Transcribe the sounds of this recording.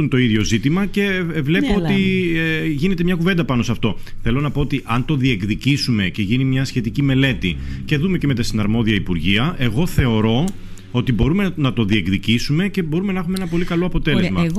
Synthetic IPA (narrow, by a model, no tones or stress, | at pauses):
unt̪o̞iðʝo̞zit̪imɐce̞vle̞poott̪i | ʝine̞t̪emɲɐkuve̞nd̪ɐpɐno̞sɐft̪o̞θe̞lo̞nɐpo̞ot̪iʔɐnt̪o̞ðie̞kðicisume̞ce̞ʝinimɲɐsçe̞t̪icime̞le̞t̪ice̞ðume̞ceme̞t̪ɐst̪inɐɾmo̞ðiɐipuɾʝiɐʔe̞ɣo̞θe̞o̞ɾo̞ | ot̪ibo̞ɾume̞nɐt̪o̞ðie̞kðicisume̞ce̞bo̞ɾumenɐɐxumeenɐpo̞likɐlo̞ɐpo̞t̪e̞le̞zmɐ